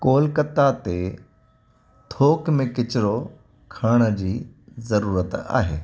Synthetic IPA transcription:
koːlkət̪at̪e | t̪ʰoːkmẽkɪt͡ɕɪɾo | kʰaːɽ̃ə̆d͡ʑiːzɐɾuːɾət̪a̰ːɦḛː

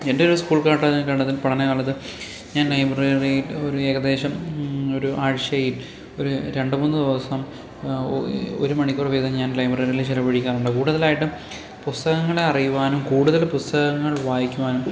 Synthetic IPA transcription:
endeoɾuskuːɭkaːʈːakɐɳɖɐt̪ːilpɐʈɐnekaːɭːɐðɨ | ɲaːnlɐjbreːrijiloɾue̞ːɣɐd̪e̞ːɕɐmo̞ɾuʔaːɻɕɐjil | o̞ɾuɾe̞ɳɖɨmunːɨd̪iʋɐsɐm | o̰ɾumɐɳikʲːurʋid̪ʱɐmɲaːnlɐjbreːrilt͡ɕilɐbɐɻikʲːaːnuɳɖɨkuːɽuðɐlaːjiʈːɨ | pust̪ɐɣɐŋːɐɭeɐrijuʋaːnumkuːɽuðɐlpust̪ɐɣɐŋːɐɭʋaːjikʲːuʋaːnum

